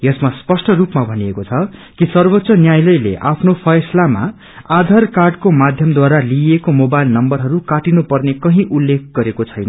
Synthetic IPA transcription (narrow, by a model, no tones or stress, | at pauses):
jʌsmaspʌsʈʰʌrupmabʱʌnijekot͡sʰʌkisʌrbʌt̪sʌnjajlʌjlḛʔapʰnopʰʌjslama̰ | ad̪ʱarkarɖkomad̪ʱjʌmd̪waɾaliekomobajlnʌmbʌrɦʌɾukaʈinupʌrnekʌɦĩʔulːek̚ʰɡʌɾekot͡sʰʌjnʌ